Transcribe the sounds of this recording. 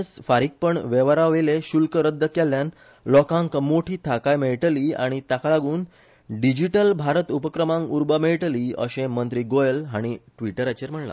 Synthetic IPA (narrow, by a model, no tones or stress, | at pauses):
sfaɾik̚pəɳʋeʋaɾaʋeleɕulkəɾəd̪ʱːəkɛlːjan | lɔkãŋkmoʈʰiːt̪ʰakajmeɭʈəliːa̰ɽ̃it̪akalaɡuːn | ɖid͡ʑiʈəlbʱaɾət̪upəkɾəmãŋkuɾbəmeɭʈliːə̰ɕẽmənt̪ɾiːɡojəlɦaɽ̃iʈʋiʈəɾat͡ɕeɾm̤əɳla̰